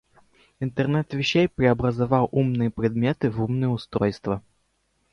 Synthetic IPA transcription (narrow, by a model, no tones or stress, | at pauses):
ɪnt̪ərnɛt̪vʲɪɕːejpɾʲɪɐbɾəzɐvɑw̪ˠʔumnɨjəpɾʲɪd̪mʲet̪ɨvumnɨjəʊst̪ɾojst̪və